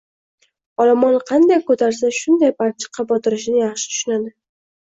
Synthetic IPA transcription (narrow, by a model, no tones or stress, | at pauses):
ɒlamɒnqʰɑnd̪ajkʰot̪ʰaɾsaʃʊnd̪ajbaɾt͡ʃʰɪ̥qʰɑbɒt̪ʰɪɾɪʃɪnɪjɑχʃɪ̥t̪ʰʊ̥ʃʊnad̪ɪ